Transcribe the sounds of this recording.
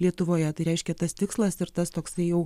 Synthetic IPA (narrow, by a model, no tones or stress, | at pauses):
lʲiɛt̪ʊʋoːjɛt̪ɐɪɾʲɛɪʃʲkʲɛt̪ɐst̪ʲɪkslˠɐsɪɾt̪ɐst̪oːksɐɪjɛʊ